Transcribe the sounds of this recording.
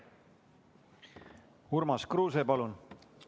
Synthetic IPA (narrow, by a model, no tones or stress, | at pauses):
hurmɑskruːsepɑlun